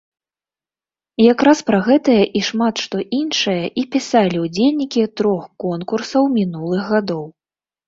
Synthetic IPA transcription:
jakɾaspɾaɣɛt̪ɐjɐʔiʂmat̪ʂt̪ɔʔinʂɨjɐʔipʲisalʲiwd͡zʲelʲnʲikʲit̪ɾɔxkɔnkursɐwmʲinulˠɨɣɣad̪ɔw

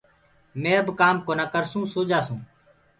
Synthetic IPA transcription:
mẽːəbkaːmkoːnaːkəɾsũːsoːd͡ʒaːsũː

